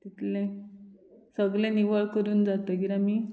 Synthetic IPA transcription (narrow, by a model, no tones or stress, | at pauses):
t̪it̪lẽ | səɡɭẽniʋəɭkəɾuːnd͡zat̪əːɡiɾamiː